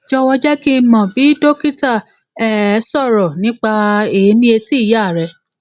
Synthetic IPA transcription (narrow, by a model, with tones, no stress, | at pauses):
d͡ʒɔ˧wɔ˧d͡ʒɛ˦ki˦mɔ̃˨bi˨˦do˦ki˦ta˦˨ | ɛ˨˦sɔ˦˨ɾɔ˨nĩ˦k͡pa˧e˨˦mĩ˦e˧ti˦i˦˨ja˦˨ɾɛ˨